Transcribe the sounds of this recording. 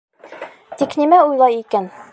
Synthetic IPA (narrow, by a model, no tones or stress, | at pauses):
t̪iknimæujlˠɑjikæn